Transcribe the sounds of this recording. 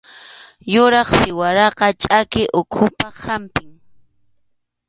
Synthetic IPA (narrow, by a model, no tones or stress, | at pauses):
jʊɾɑχsɪwaɾɑqɑt͡ʃʼakɪʔʊkʰʊpahampɪŋ